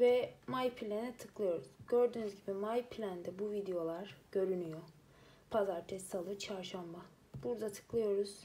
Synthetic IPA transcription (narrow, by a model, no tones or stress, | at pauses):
vɛmajpʰilʲenɛt̪ʰɯklˠɯjo̞ɾuz̥ɟø̞ɾd̪yːnyzɟibimajpʰlʲænd̪ɛbuvid̪ejo̞lˠaɾ̥ɟ̥ø̞ɾynyjo̞ | pʰazaɾt̪ʰɛst̪ʰalˠɯt͡ʃʰaɾʃamba | b̥uɾd̪at̪ʰɯ̥klˠɯjo̞ɾuz̥